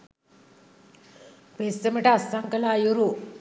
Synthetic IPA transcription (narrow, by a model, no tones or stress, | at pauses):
pesəməʈasaŋkəlajuɾu